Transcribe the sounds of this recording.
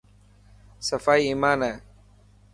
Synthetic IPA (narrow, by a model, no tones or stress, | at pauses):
səfaːiːiːmaːnɛː